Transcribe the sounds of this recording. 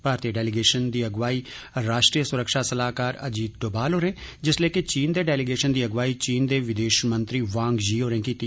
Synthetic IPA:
paːɾt̪iːəɖɛːlɪɡeːʃənd̪iːəɡʋaːiː | ɾaːʃʈɾiːjəsʊɾəkʃaːsəlaːkaːɾə̰d͡ʒiːd̪̚ɖoːbaːlɦoːɾẽːd͡ʒɪsleːket͡ʃiːnd̪eːɖɛːlɪɡeːʃənd̪iːəɡʋaːiːt͡ʃiːnd̪eːʋɪd̪eːʃmə̃nt̪ɾiːʋãːŋɡd͡ʒiːoːɾɛ̃ːkiːt̪i

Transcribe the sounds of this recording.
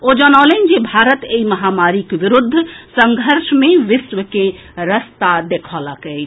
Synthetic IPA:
od͡ʒənalənd͡ʒebʱaɾət̪eiməɦamaɾikʋiɾud̪ʱːsəŋɡʱəɾsmeʋɪsʋəke | ɾəst̪ad̪ekʰalakəjt͡ʃ

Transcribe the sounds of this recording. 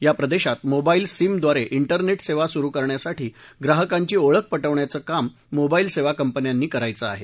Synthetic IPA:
japɾəd̪eɕat̪mobailsimd̪ʋaɾeʔiɳʈəɾneʈseʋasuɾuːkəɾɳjasaʈʰiːɡɾaɦəkaɲt͡ɕiːoɭək̚pəʈəʋɳjat͡səːkamː | obailseʋakəmpənjanːiːkəɾajt͡səa̰ɦe

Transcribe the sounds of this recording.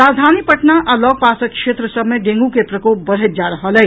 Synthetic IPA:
ɾad̪ʱanipəʈnaʔalɔːɡ̚paːsəkʃet̪ɾəsəbmeɖẽŋɡukepɾəkoːp̚bəɽ̤ɦet̪̚d͡ʒaɾəɦəlɛ

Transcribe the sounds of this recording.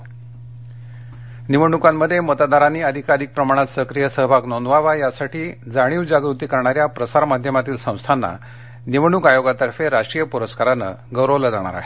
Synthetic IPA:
niʋəɳ̃ukamːəd̪ʱːjemət̪ad̪aɾaniːəd̪ʱikaɾiːk̚pɾəmaɽ̃at̪səkɾijəsəɦbʱaknond̪ʋaʋajasaʈʰiːd͡zaɽ̃iːʋd͡ʑaɡɾut̪iːkəɾɳaɾjapɾəsaɾmad̪ʱjəmat̪iːlsə̃w̃st̪ʰanːa̰ | niʋəɳukajoɡat̪əɾfeɾaʂʈɾiːjəpuɾəskaɾanə̰ɡəwɾəʋləd͡zaɽ̃a̰ɾa̰ɦe

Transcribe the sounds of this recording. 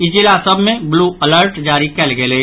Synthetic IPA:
ɪd͡ʒilaːsəbʱmẽbluːələɾʈd͡ʒaːɾikɛlɡeleː

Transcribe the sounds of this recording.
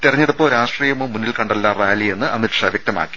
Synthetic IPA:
t̪irɐɲːiɽupːoːɾaːʂʈriːjɐmoːmːunːilkɐɳɖɐlːaːraːlie̞nːɨʔɐmitʂaʋjɐk̚t̪ɐma̰ːkːi̥

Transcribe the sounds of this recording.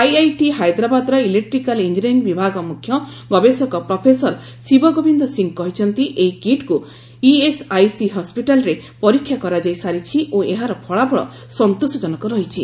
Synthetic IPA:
ajajʈiɦajd̪ɾabad̪ɾɔilek̚ʈɾikalind͡ʒiɾenbibʱaɡɔmukʰːjɔ | ɡɔbesɔkɔpɾɔpʰesɔɾ | sibɔɡobʱind̪ɔsiŋkɔɦit͡ʃʰɔnt̪iʔejkiʈku | iesajsiɦɔspiʈalɔɾepɔɾikʰːjakɔɾad͡ʒajsaɾit͡ʃʰiʔoeɦaɾɔpʰɔɭapʰɔɭɔ̰ | sɔnt̪osɔd͡ʒɔnɔkɔɾɔɦit͡ʃʰi

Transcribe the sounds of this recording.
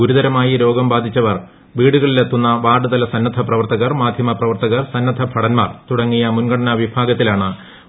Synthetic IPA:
ɡuɾud̪ɐɾɐmaːjiɾo̞ːɡɐmbaːd̪ʱit͡ɕːɐʋɐr | ʋiːɽuɣɐɭilet̪ːunːɐʋaːɖɨd̪ɐlɐsɐnːɐd̪ʱʰɐprɐʋɐrt̪ɐɣɐrmaːd̪ʱjɐmɐprɐʋɐrt̪ɐɣɐrsɐnːɐd̪ʱɐbʱɐɽɐnmaːrt̪uɽɐŋːijɐmunɡɐɽɐnɐʋibʱaːɡɐt̪ːilaːɳɨ

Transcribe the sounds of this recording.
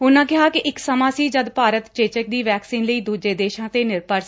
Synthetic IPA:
ʊnãːkɪɦaːkɪʔɪksəmãːsiːd͡ʒəd̪paːɾət̪t͡ʃeːt͡ʃək̚d̪iːʋɛːksiːnləiːd̪uːd͡ʒeːd̪eːʃãːt̪eːnɪɾpəɾs

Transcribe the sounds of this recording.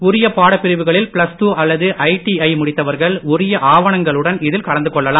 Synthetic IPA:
ʊɾɪjɐpaːɽɐpːɪɾɪʋɯɣɐɭɪlpɪɭɐsʈuːʔɐlːɐðɯʔɐɪʈiɐɪmʊɽɪt̪ːɐʋɐɾɣɐɭʊɾɪjɐʔaːʋɐɳɐŋɡɐɭɯɽɐnɪðɪlkɐɭɐnd̪ɯkɔɭːɐlaː

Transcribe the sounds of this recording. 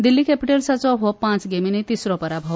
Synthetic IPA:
d̪ilːikɛpiʈelsat͡sɔɦɔpãt͡sɡeminet̪isɾɔpəɾabʱɔʋ

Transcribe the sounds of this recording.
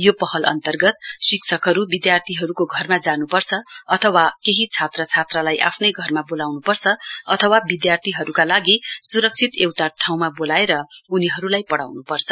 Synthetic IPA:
jopʌhʌlʔʌ̰nt̪ʌrɡʌt̪siksʰʌkɦʌɾubid̪jart̪ʰiɦʌɾukoɡʱʌrmad͡zanupʌrt͡sʰʌʌt̪ʰʌwakeɦit͡sʰat̪rʌt͡sʰat̪ralajʔa̰pʰnʌjɡʱʌrmabolawnupʌrt͡sʰʌʌt̪ʰʌwabid̪jart̪ʰiɦʌɾukalaɡisuɾʌk̚t͡sʰit̪ewt̪aʈʰaw̃mabolaeɾʌuniɦʌɾulajpʌɽa̰wnupʌrt͡sʰʌ̥

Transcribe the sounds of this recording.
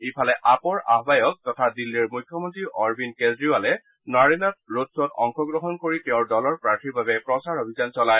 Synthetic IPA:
epʰalɛʔapɔɹaɦbajɔk̚tɔtʰadilːiɹmujkʰːjɔmɔntɹiʔɔɹbinkedɹiwalɛ | naɹinɔt̚ɹotsɔtɔ̰ŋxɔɡɹɔɦɔnkoɹitɛʊ̃ɹdɔlɔɹpɹaɹtʰiɹbabɛpɹɔsaɹobʱizansɔlaj

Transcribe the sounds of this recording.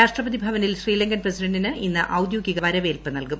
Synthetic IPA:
aːʂʈrɐbɐðibʱɐʋɐnilɕriːlɐŋɡɐnprɐsidɐɳɖinɨinːɨʔɐwd̪joːɡiɣɐʋɐɾɐʋeːlpɨnɐlkum

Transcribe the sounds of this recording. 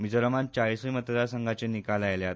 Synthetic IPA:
mid͡zəɾəmant͡ɕaɭisʋiːmət̪əd̪asəŋɡʱat͡senikalajljat̪

